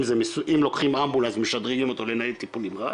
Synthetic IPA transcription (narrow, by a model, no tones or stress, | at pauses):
mzemesʔimlo̞kχimambulazmeʃad̪ʁiɡimot̪o̞lenailt̪ipulimʁa